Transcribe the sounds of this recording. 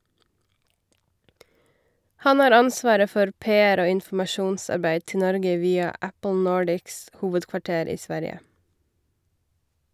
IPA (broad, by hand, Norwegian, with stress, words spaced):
ˈhɑn ˈhɑːɾ ˈɑnˌsʋɑːɾə ˈfɔɾ ˈpeːæɾ ˈoː ɪnfm̩ɑˈʃuːnˌsɑɾˌbæɪd ˈtɪ ˈnɔɾɡə ˈʋiːɑ ˈæpl̩ ˈnoːɖɪks ˈhuːʋədkʋɑˌʈeːɾ ˈiː ˈsʋæɾjə